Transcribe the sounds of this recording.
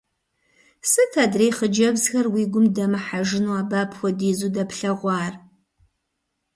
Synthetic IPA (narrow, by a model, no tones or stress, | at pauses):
sɨtʰadrejχəd͡ʒɐbzxɐrwiːɡʷʊmdɐmɨħaʒɪnuwaːbaːpʰxʷɔdiːzuːdɐpɬɐʁʷɑːr